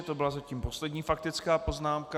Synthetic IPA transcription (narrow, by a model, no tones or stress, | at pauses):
ɛt̪o̞bɪlazaciːmpo̞slɛdɲiːfak̚t̪ɪt͡skaːpo̞znaːmka